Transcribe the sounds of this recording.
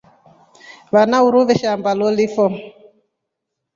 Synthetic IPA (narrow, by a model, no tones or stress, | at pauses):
βanauɾuβɛʃambalɔlifɔ